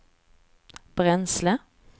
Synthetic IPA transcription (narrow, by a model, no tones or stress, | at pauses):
b̥ʁɛnslə